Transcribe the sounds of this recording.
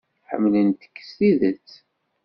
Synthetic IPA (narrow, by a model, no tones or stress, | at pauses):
ħə̰mːlənt̪ə̥kːə̥siðət͡sː